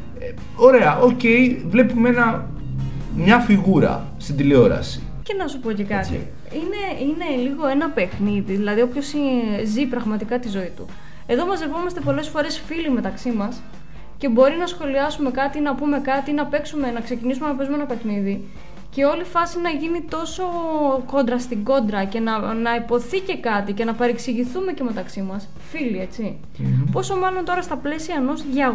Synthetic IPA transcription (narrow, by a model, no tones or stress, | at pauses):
o̞ɾe̞ɐʔo̞ce̞jvle̞pume̞nɐ | mɲɐfiɣuɾɐ̰ | st̪ind̪ileo̞ɾɐ̰si̥ | ce̞nɐsupo̞ce̞kɐt̪ḭ | ine̞ine̞liɣo̞e̞nɐpexniðiðilɐðiopço̞sizipɾɐɣmɐt̪ikɐt̪izo̞it̪ṵ | eðo̞mɐzlepo̞mɐst̪e̞po̞le̞sfo̞ɾe̞sfilime̞t̪ɐksimɐs | ce̞bo̞ɾinɐsxo̞liɐsume̞kɐt̪inɐpume̞kɐt̪inɐpe̞ksume̞nɐkse̞cinisume̞nɐpe̞zumenɐpe̞xniði | ce̞o̞lifɐsinɐʝinit̪o̞so̞ko̞nd̪ɾɐst̪iɡo̞nd̪ɾɐce̞nɐnɐipo̞θice̞kɐt̪ice̞nɐpɐɾeksiʝiθume̞ce̞me̞t̪ɐksimɐs | filie̞t͡si | po̞so̞mɐlo̞nt̪o̞ɾɐst̪ɐple̞siɐeno̞zʝɐ